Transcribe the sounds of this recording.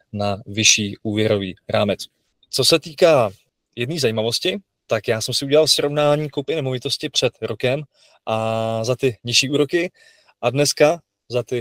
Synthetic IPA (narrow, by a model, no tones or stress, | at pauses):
navɪʃiːʔuːvjɛɾo̞vḭːɾaːmɛt͡s | t͡so̞sɛt̪iːkaː | jɛdniːzajiːmavo̞scɪ | t̪akjaːsɛmsɪuɟɛlalsɾo̞vnaːɲiːkowpɪnɛmovɪt̪o̞scɪpr̝̥ɛt̪ɾokɛm | ʔazat̪ɪɲɪʃiːuːɾo̞kɪ | ʔadnɛska | zat̪ɪ